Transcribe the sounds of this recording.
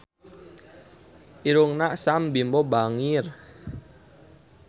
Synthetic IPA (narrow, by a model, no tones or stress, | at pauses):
ʔiɾuŋnaʔsambimbɔbaŋir